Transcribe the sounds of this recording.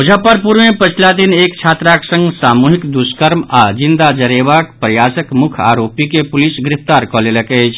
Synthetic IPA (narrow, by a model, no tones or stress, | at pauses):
ɦud͡ʒʱapəɾpuɾʋẽpət͡ʃʰlad̪inekt͡ʃʰat̪ɾaksə̃ŋɡsamuɦikd̪uskəɾmad͡ʒind̪ad͡ʒəɾebakpɾəjasəkmukʰa̰ɾopikepulisɡɾipʰt̪aɾkɔleləkət͡ʃʰ